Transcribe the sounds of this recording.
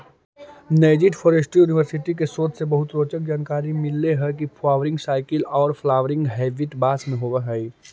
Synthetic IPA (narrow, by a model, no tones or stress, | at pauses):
neːd͡ʒɪʈfʰoːɾesʈijuːnɪʋəɾsɪʈik̬esoːt̪sebɐɦʊt̪ɾoːt͡ʃək̚d͡ʒaːnkaːɾimɪlːeɦɛk̬ipʰlaːʋɾɪ̃ŋɡsaːɪkəlɔːɾflaːʋəɾɪ̃ŋɡɦɛːʋɪʈbaːsmẽɦoːʋəɦɛi